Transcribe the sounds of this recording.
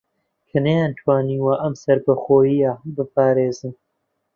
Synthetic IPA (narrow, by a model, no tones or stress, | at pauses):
kʰɐnejaːnt̪ʰwaːniːwaʔɐmsɐɾbɐxoːjijabɨpʰaːɾeːzɨn